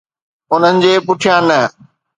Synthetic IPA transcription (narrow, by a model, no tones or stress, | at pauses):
ʊn̤ənɪ̆d͡ʑeːpʊʈʰijãːnɐ